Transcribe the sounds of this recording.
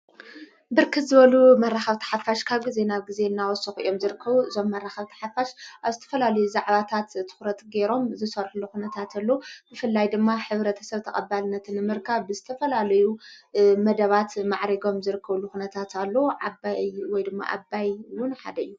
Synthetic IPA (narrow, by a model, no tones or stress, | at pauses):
bɨɾkʰɨt̪zɨβɐlumɐraxɐβt̪ʰɐ̥ħafaʃkʰaβɡize̞naβɡize̞ɨnːawɔsɨxʔɨ̰jo̞mzɨɾɨkʰːɐβuʔɨzo̞mːɐraxɐβt̪ʰɐ̥ħafaʃʔaβzɨt̪ʰɐ̥fɐlalɐjuzaʕβat̪ʰat̪t̪ʰːɨ̥xɾɐt̪ʼɡe̞ɾo̞mzɨsɐɾħluxunɐt̪ʰat̪ʰalːobɨfɨlːajd̪ɨmːaħɨβɾɐt̪ʰɐ̥sɐβt̪ʰɐχʼɐbalɨnːɐt̪ʰɨnːɨmɨɾkʰɐβbɨzɨt̪ʰɐfɐlalɐjumɐd̪ɐβat̪maʕɾɐɡo̞mzɨɾɨkːɐβlːuxunɐt̪ʰat̪ʰalːoʕabawɔjd̪ɨmːa̰ʔa̰bːajwʊnħa̰d̪ɐɨjːu